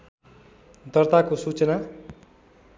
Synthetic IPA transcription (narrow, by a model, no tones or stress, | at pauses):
d̪ʌrt̪akosut͡sʌna